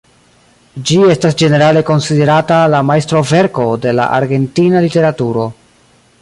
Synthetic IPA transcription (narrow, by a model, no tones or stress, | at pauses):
d͡ʒie̞stasd͡ʒe̞ne̞ɾale̞ko̞nside̞ɾatalamajstɾo̞ve̞ɾko̞de̞la̰ʔa̰ɾɡe̞ntinalite̞ɾatuɾo̞